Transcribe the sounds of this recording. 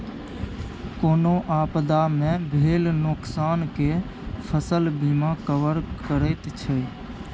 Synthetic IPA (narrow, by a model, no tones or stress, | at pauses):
koːnoʔaːpd̪amẽbʱeːlnʊksaːnke | pʰəsəlbiːmakəʋəɾkəɾɛt̪t͡ʃʰɛ